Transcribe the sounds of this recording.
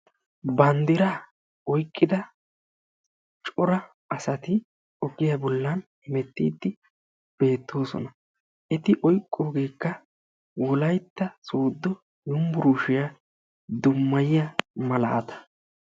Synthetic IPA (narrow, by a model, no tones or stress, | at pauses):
bɐnd̪ɪɾɐ | ɔjkʼːɪd̪ɐ | t͡ʃʼɔɾɐ | ɐsɐt̪ɪ | ɔɡɪjɐbɔlːɐnhɪmɛt̪ːiːd̪ːɪ | b̥e̞ːt̪ːo̞ːsɔ̰nɐ | ʔɛt̪ɪʔɔjkʼːoːɡe̞ːkːɐ | wɔlɐjt̪ːɐsuːd̪ːɔ | jʊmbʊɾuːʃɪjɐ | d̪ʊmːɐjɪjɐmɐlɐ̰ɐ̰t̪ɐ̥